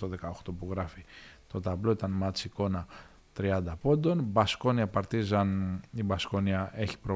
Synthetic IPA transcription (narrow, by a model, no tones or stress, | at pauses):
t̪oðe̞kɐoxt̪opuɣɾɐfit̪o̞t̪ɐvlo̞it̪ɐnmɐt͡siko̞nɐ | t̪ɾiɐnd̪ɐpo̞nd̪o̞nbɐsko̞niɐpɐɾt̪izɐnibɐsko̞niɐe̞çi̥pɾo